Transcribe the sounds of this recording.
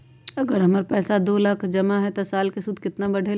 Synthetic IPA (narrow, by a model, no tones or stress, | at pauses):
ɐɡəɾɦɐməɾpɛːsad̪oːlaːkʰd͡ʒɐmaɦɛt̪osaːlkesʊd̪ʱkɪt̪nabɐɽʱe